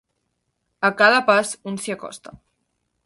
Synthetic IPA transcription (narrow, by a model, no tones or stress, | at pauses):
əkaðəpasunsiakɔ̰st̪a